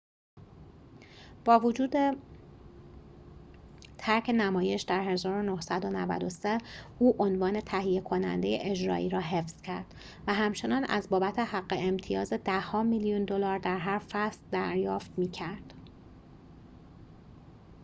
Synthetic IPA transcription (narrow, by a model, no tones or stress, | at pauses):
b̥ɒːvod͡ʒuːd̪e̞ | t̪ʰæɾcʰe̞næmɒːje̞ʃd̪æɾɦe̞zɒːɾo̞nohsæd̪o̞nævæ̰d̪o̞seuːʔo̞nvɒːne̞t̪ʰæhijekʰo̞næ̰nd̪e̞jḛʔed͡ʒɾɒ̰ːʔiːɾɒːɦe̞fz̥cʰæɾd̪̥ | væɦæmt͡ʃʰe̞nɒːnʔæ̰zbɒːbæt̪ʰe̞hæɢːeemt̪ʰijɒːze̞d̪æhːɒːmiljund̪o̞lɒːɾd̪æɾɦæɾfæst̪d̪æɾjɒːft̪miːcʰæɾd̪̥